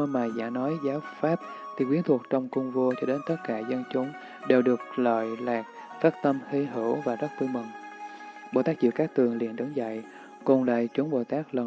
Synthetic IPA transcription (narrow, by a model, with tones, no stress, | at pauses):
ə˧maː˨˩jza̰ː˧˩nɔ˨˦jzaː˨˦wfaː˦˥p̚t̪ʰi˨˩kwi˨˦ənt̪ʰu˨˩ək̚t͡ɕɔ˧wŋ͡mkʊ˧ŋ͡mvo˧t͡ɕɔ˧ɗe˨˦nt̪ə˦˥t̚kaː˧˩zə˧nt͡ɕʊ˨˦ŋ͡m | ɗe˨˩wɗɨ˨˩ək̚lə̰ː˧˨jlaː˨˩k̚ | faː˦˥t̚t̪ə˧mhi˧ɦɨ˧˩əwvaː˨˩zə˦˥k̚t̪ɨ˧ŋmɨ̰˨˩ŋ | ɓo̰˨˧˨t̪aː˦˥k̚zḭ˧˨wkaː˦˥k̚t̪ɨ˨˩əŋlḭ˧˨ənɗə˨˦ŋza̰˧˨j | ku˨˩nla̰ː˧˨jt͡ɕʊ˨˦ŋ͡mɓo̰˧˨t̪aː˦˥k̚lə˨˩